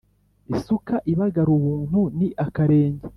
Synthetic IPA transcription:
isukaʔiβaɡaɾuβuːn̥huniʔakaɾe̞ːɲɟe

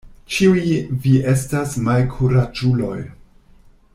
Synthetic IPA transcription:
t͡ʃiujiviʔe̞stasmalkʰuɾad͡ʒulo̞j

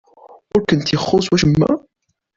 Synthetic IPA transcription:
ʊɾkənt̪jəχːoswæʃəmːæ̰

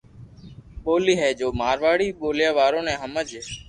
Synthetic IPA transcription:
ɓoːliːɦɛːd͡ʒoːmaːɾʋaːɽiːɓoːljaːʋaːɾõːnɛ̃ːɦəməd͡ʒeː

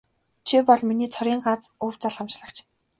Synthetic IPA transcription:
t͡ɕʰipɔɮminiːt͡sʰɔɾʲiːŋɢat͡suw̥t͡saɮχămʃɮə̆χt͡ɕʰ

